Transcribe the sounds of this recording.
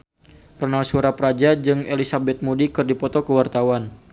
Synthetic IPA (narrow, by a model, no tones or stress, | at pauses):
rɔnalsuɾapɾad͡ʒad͡ʒɨŋelisabɛt̪̚mudikɨrdipɔt̪ɔkəwart̪awan